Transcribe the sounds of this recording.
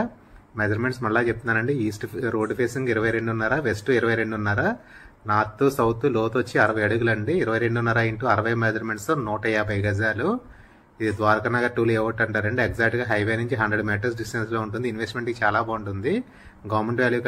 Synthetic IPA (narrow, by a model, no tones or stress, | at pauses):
med͡ʒɐɾmeɳʈsmɐɭːaːt͡ʃep̚t̪und̪aːɾɐɳɖiiːsʈɾoːɖpʰeːsiŋɡiɾɐʋɐjɾeɳɖunːaːɾaːʋesʈuiɾɐʋɐjɾe̞ɳɖunːaːɾaːnaːt̪ːusɐwt̪uloːt̪ɐt͡ʃːiɐɾɐʋɐjɐɽuɡulɐɳɖiiɾɐʋɐjɾe̞ɳɖunːɐɾaːjiɳʈuɐɾɐʋɐjmed͡ʒɐɾme̞ɳʈsoːnɔːʈɐjaːbʱɐjɡɐd͡ʒaːlu | id̪id̪ʋaːɾɐkɐnaːɡaːʈuːlɛːʋɐʈːɐɳʈaːɾɐɳɖiekzaːk̚ʈɡaːɦɐjʋeːnuɲt͡ʃiɦɐnd̪ɾeɖumɛːʈɐɾs̬ɖisʈenslo̞ːuɳʈ̬und̪inʋesʈme̞ɳʈɡit͡ʃaːlaːbaːuɳʈund̪i | ɡaːmeɳʈʋaːljuk